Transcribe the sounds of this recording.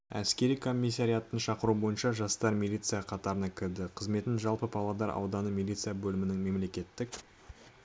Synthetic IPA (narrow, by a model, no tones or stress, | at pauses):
æ̰skʲe̞ɾijkʰo̞mʲːijs̬ːɑɾijɑt̪ːənʃɑqəɾubo̞jənʃɑʒɑst̪ɑɾmʲilʲit̪sɨjaqʰɑt̪ɑɾənɑkʲʰɪɾd̪ɪqʰəzme̞t̪ɪnʒɑlˠpəpʰɑlˠɑd̪ɑɾɑ̰wd̪ɑnəmʲilʲit̪sɨjabɵlɪmɪnɪŋme̞mle̞kʲe̞t̪ːɪk